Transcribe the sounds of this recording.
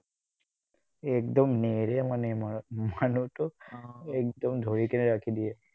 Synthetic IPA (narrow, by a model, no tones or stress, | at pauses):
ekd̪ɔmneɾemanemanutɔek̚d̪ɔmd̪ʱoɹikeneɾakʰid̪ie